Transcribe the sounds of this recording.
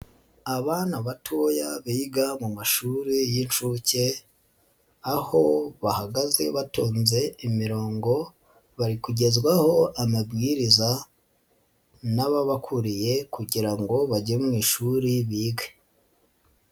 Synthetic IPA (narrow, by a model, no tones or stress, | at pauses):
aβaːnaβatʰojaβiːɡamumaʃuːɾijinʃuce | aho̞βahaɡaze̞̰βatuːnze̞imiɾo̞ːŋɡo̞ | βaɾikuɟe̞zɡwaho̞ʔamabɡiːɾiza | naβaβakʰuɾije̞kuɟiɾaŋɡo̞βaɟemŋiːʃuɾiβiːɡa